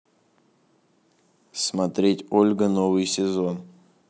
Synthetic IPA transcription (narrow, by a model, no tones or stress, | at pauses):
smɐt̪ɾʲetʲolʲɡənovɨjsʲɪzo̞n